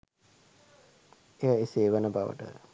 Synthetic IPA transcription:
ejəeseːʋənəbaʋə̰ʈə̰

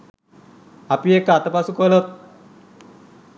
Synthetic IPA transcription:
apiekːat̪əpasukolot̪̚

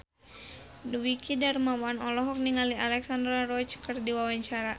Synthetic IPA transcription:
duwikidarmawanɔlɔɦɔk̚niŋalialɛksandɾarɔit͡ʃkɨrdiwawaɲt͡ʃaɾa

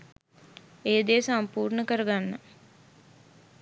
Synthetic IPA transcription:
eːd̪eːsampuːrnəkəɾəɡanːə

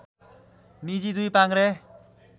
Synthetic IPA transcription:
nid͡ʑid̪uijpaŋɾe

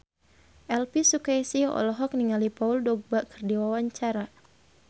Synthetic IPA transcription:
ʔɛlpisukaisiɔ̰lɔɦɔk̚niŋalipauldɔɡ̚baʔkərdiwawaɲt͡ʃaɾa

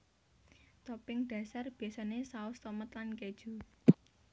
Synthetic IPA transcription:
t̪ɔpɪŋɖ̥ä̤sarb̥i̤jasanesaʊst̪ɔmət̪lanked̥ʒ̥ṳ

